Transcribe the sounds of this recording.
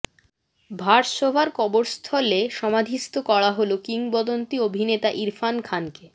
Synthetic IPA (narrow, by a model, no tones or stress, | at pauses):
bʱaɾʃobʱaɾkɔboɾst̪ʰɔleʃɔmad̪ʱist̪okɔɽaɦolokiŋbɔd̪ont̪iobʱinet̪aʔiɾfankʰanke